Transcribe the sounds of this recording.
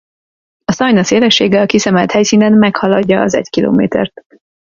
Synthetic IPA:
ɒsɒjnɒseːlɛʃːeːɡɛɒkisɛmɛlt̪hɛjsiːnɛnmɛkhɒlɒɟːɒɒzɛ̰ɟkilo̰ːmḛːt̪ɛ̰rt̪

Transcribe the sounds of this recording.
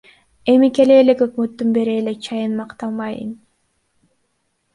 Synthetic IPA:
e̞mike̞leːlekø̞kmøt̪ːynbe̞ɾeːlek̚t͡ʃʰɑjɯnmɑqt̪ɑmbɑjɯ̰n

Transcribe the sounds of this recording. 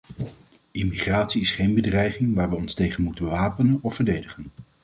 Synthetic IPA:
ɪmiχraːtsiɪsχejnbədrɛjχɪŋʋaːɹʋəɔnstejχənmutənʋaːpənənɔfːəɹdejdəχən

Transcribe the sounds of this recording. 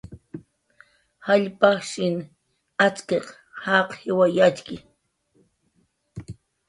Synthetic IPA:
haʎpaχʃɪn | at͡skeq | hɑqhɪwajat͡ʃkɪ

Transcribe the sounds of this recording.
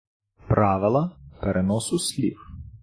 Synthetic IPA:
pɾɑʋɪlˠɐpɛɾʔɛnɔsʊsʲlʲḭf

